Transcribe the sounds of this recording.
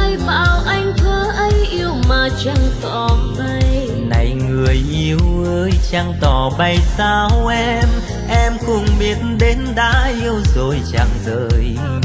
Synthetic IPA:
ə˧jɓa̰ː˧˨wʔa˧jŋ̟t̪ʰəː˨˦ʔə˨˦jʔi˧əwmaː˨˩t͡ɕa˧ŋt̪ɔ˨˩ɓa˧j | na˨˩jŋɨ˨˩əjʔi˧əwʔəː˧jt͡ɕa˧ŋt̪ɔ˨˩ɓa˧jsaː˧wʔɛ˧m | ʔɛ˧mkʊ˧˩ŋ͡mmi˨˩ətnɗe˨˦nɗa̰ː˧˥ʔi˧əwzo˨˩jt͡ɕa˧˩ŋzəː˧˩j

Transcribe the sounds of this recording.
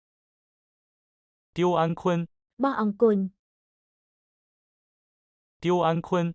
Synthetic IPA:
t̪jo˦a˦nkʰə˦n | ba˥˧˨ʔa˨ŋku˥˦˨n | t̪jo˦a˦nkʰə˦n

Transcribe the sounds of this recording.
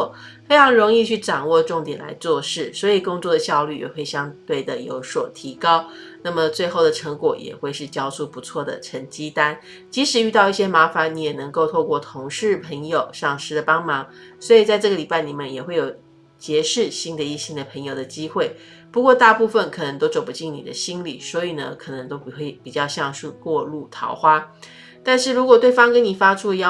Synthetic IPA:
fe˥ɪʈ͡ʂʰɑ˧˥ŋɻʊ˧˥ŋi˥˧t͡ɕʰy˥˩ʈ͡ʂɑ˨˩ŋwɔ˥˧ʈ͡ʂʊ˥˩ŋt̪jɛ˨˩nla̰˧˥ɪt͡swɔ˥˧ʂɻ̩˥˩swɔ˧˥i˨˩kʊ˥ŋt͡swɔ˥˩d̪ə˩ɕjɑ˥˧ʊly˥˩jɛ̰˨˩xwe˥˩ɪɕjɑ˥ŋt̪we˥˩ɪd̪ə˩jo̰˧˥ʊswɔ˨˩t̪ʰi˧˥kɑ˥ʊ | na˥˩mə˩t͡swe˥˧ɪxo˥˩ʊd̪ə˩ʈ͡ʂʰɤ˧˥ŋkwɔ˨˩jɛ̰˨˩xwe˥˧ɪʂɻ̩˥˩t͡ɕjɑ˥ʊsʰu˥˩pu˧˥t͡sʰwɔ˥˩d̪ə̰˩ʈ͡ʂʰə˧˥ŋt͡ɕi˥t̪a˥n | t͡ɕi˧˥ʂɻ̩˧˥y˥˧t̪ɑ˥˧ʊi˥˩ɕjɛ˥ma˧˥fa˧˥˦nni˧˥jɛ˨˩nə˧˥ŋko˥˧ʊt̪ʰo˥˧ʊkwɔ˥˩t̪ʰʊ˧˥ŋʂɻ̩˥˩pʰə˧˥ŋjo˨˩ʊʂɑ˥˩ŋʂɻ̩˥d̪ə˨˩pɑ˥ŋmɑ˧˥ŋswɔ˧˥i˨˩t͡sa˥˧ɪʈ͡ʂɤ˥˩ɡə˩li˨˩pa˥˩ɪni˨˩mə˦njɛ˨˩xwe˥˩ɪjo˨˩ʊ | t͡ɕjɛ˧˥ʂɻ̩˥˩ɕi˥ŋd̪ə˨i˥˩ɕi˥ŋd̪ə˨pʰə˧˥ŋjo˨˩ʊd̪ə˩t͡ɕi˥xwe˥˩ɪ | pu˧˥kwɔ˥˧t̪a˥˧pu˥˧fə˥˩nkʰɤ˨˩nə˧˥ŋt̪o˥ʊʈ͡ʂo˨˩ʊpu˧t͡ɕi˥˩ŋnḭ˨˩d̪ə˦ɕi˥nlḭ˨˩˦swɔ˧˥i˨˩nə̰˦kʰɤ˨˩nɤ˧˥ŋt̪o˥ʊpi˨˩xwe˥˩ɪpi˨˩t͡ɕjɑ˥˧ʊɕjɑ˥˧ŋʂu˥˧kwɔ˥˧lu˥˩t̪ʰɑ̰˧˥ʊxwa˥ | t̪a˥˧nʂɻ̩˥˩ɻu˧˥kwɔ˨˩t̪we˥˩ɪfɑ˥ŋkə˥ni˨˩fa˥ʈ͡ʂʰu˥˧jɑ˥˧

